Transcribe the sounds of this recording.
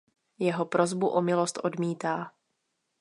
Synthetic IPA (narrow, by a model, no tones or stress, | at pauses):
jɛɦo̞pɾo̞zbuʔomɪlost̪ʔo̞dmiːt̪aː